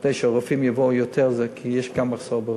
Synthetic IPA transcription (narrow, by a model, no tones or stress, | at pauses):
d̥eɪʃɛɔʁafimjavojotʰɛʁzɛkʰijɛʃɡamaχsoʁbəʁ